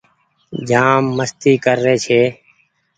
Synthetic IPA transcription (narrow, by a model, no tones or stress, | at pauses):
d͡ʒaːmːəst̪iːkəɾːeːt͡ʃʰeː